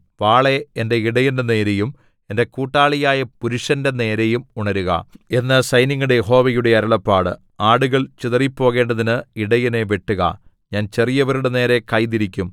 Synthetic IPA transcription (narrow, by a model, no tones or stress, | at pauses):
ʋaːɭe̞ende̞iɽɐjɐndene̞ːɾejum | e̞nde̞kuːʈːaːɭijaːjɐpuɾuʂɐndene̞ːɾejumuɳɐɾuɣɐ̰e̞nːɐsɐjniŋːuɽejeɦo̞ːʋɐjuɽe̞ɐɾɐɭɐpːaːɽɨ̰ | aːɽuɣɐɭt͡ɕiðɐripːo̞ːɣe̞ːɳɖɐðinɨiɽɐjɐne̞ʋeʈːuɣɐ̰ | ɲaːnt͡ɕerijɐʋɐɾuɽene̞ːɾe̞kɐjðiɾikʲːum